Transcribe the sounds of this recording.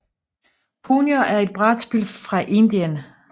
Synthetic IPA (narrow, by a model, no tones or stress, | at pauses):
pʰuːnjoʔæɐe̝d̥̚b̥ʁɑd̥sb̥ilfʁɑ̈ʔe̝nd̥iən